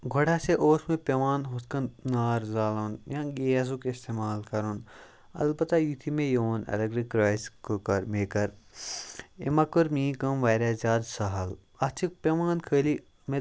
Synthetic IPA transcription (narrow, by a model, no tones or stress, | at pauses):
ɡʱoɽaseʔoːsmẽpʲɐʋaːnɦuskɐnnaːɾzaːlonjãːɡeːɐz̬ukeist̪eːmaːlkɐɾun | ɐ̰lbɐt̪ajut̪ʰimẽjoːnɐ̰lɐɡɾikɾaːjskukɐɾmeːkɐɾ | ḛmɐkuɾmĩːkɐmʋaːɾʲazʲaːd̪sɐɦɐl | ɐt͡ʃʰik̚pʲɐʋaːnkʰəːli | me